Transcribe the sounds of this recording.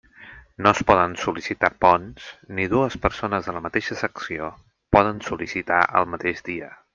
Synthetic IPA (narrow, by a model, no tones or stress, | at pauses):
noəspɔðənsulisit̪apɔnsniðuəspəɾsonəzðələmət̪eʃəsəksio | pɔðənsulisit̪a̰ʔə̰lˠmət̪eʒd̪iə